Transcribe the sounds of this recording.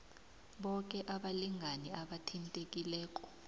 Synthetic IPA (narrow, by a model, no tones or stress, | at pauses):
ɓɔk̬ʼɛʔaɓaliŋʱaniaɓatʰintʼek̬ʼilɛːk̬ʼɔ̥